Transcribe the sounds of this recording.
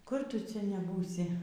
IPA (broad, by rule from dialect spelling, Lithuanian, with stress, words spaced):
kʊr ˈtʊ ˈt͡sʲɛ nʲɛˈbuːsʲɪ